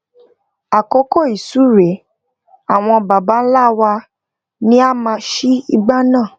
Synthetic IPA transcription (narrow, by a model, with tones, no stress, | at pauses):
a˨ko˦ko˦˨i˨su˨˦ɾe˨˦ | a˨w̃ɔ̃˧ba˨ba˨˦n̩˦la˦wa˧ | nĩ˦a˦mã˧ʃi˦i˧ɡ͡ba˦nãː˦˨